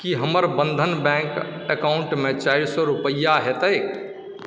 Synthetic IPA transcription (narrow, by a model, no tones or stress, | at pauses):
kiɦəməɾbənd̪ʱənbɛ̃ŋkəkaʊɳʈmet͡ʃaɪɾsɔɾupəjːaɦet̪əjk